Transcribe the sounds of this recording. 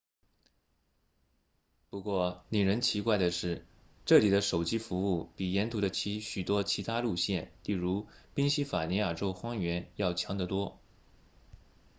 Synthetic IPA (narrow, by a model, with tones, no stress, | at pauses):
pu˧˥kwɔ˥˩ni˨˩ɻə˧˥nt͡ɕʰi˧˥kwa˥˩ɪd̪ə˩ʂɻ̩˥˩ | ʈ͡ʂɤ˥˩li˨˩d̪ə˦ʂo˨˩ʊt͡ɕi˥fu˧˥u˥˩pi˨˩jɛ˧˥nt̪ʰu˧˥d̪ə˧t͡ɕʰi˧˥ɕy˨˩t̪wɔ˥t͡ɕʰi˧˥t̪ʰa˥lu˥˧ɕjɛ˥˩nli˥˩ɻu˧˥pi˥ŋɕi˥fa˨˩ni˧˥ja˨˩ʈ͡ʂo˥ʊxwɑ˥ŋɥɛ˧˥njɑ˥˩ʊt͡ɕʰjɑ˧˥ŋd̪ə˨t̪wɔ˥